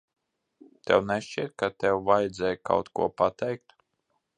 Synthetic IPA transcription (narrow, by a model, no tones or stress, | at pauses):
t̪ʲɛwnɛʃt͡ʃiɛt̪̚kat̪ʲɛwvajd̪zɛjka̰wt̪kṵɔpat̪ɛjk̚t̪